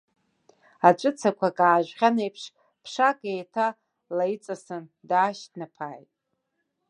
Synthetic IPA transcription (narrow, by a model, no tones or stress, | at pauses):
at͡ʃʷʼʊt͡sʰakʷʰakʼaːʒᶣʷʁʲanejpʰʂ | pʰʂakʼejtʰa | lajit͡sʼasɨndaːʃtnapʰaːjtʼ